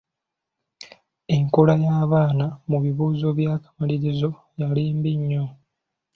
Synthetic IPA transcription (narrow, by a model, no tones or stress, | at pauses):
e̞ŋkolajaːβaːnamuβiβuːzo̞βjaːkḁmaliɾizo̞ | jaliːmbiɲːo̞